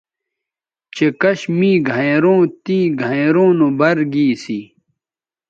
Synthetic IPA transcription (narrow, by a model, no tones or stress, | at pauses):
t͡ɕekɐɕmiːɡʱɐeɾõːt̪ĩːɡʱɐ̃eɾõːnobɐɾɡiːsi